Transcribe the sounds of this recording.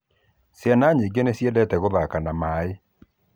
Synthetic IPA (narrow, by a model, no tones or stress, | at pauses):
sjanaːɲeɡenesjɛdɛtɛɣoðakanamae